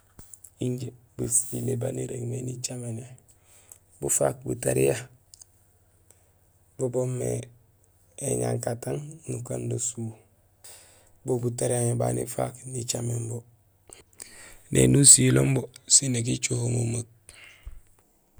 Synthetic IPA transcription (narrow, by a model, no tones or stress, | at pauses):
iɲɟebusilebaniɾeɡmenit͡ʃamena | bufa̰k̚bṵtaɾija | bobomːḛ | eɲa̰ŋkataŋnukandosuː | bobutaɾijaɲeba̰nḭfa̰knit͡ʃamembo | nʔḛnusilombosinek̬it͡ʃuhomomak̚